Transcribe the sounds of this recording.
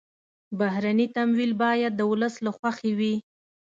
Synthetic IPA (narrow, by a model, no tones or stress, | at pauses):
baɦɾanit̪amwilbɑjad̪̚ːəwʊləslaxwaxewi